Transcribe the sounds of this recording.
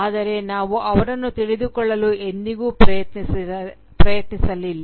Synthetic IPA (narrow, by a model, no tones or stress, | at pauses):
aːd̪ɐɾe̞naːʋuʔɐʋɐɾɐnːut̪iɭid̪ukɔɭːɐlue̞nd̪iɡuːpɾɐjɐt̪ni | pɾɐjɐt̪nisɐlilː